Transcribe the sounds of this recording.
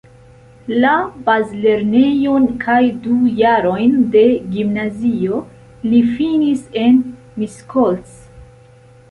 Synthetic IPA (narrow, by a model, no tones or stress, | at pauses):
labazle̞ɾne̞jo̞nkʰajdujaɾo̞jnde̞ɡimnazio̞ | lifinise̞n | miskols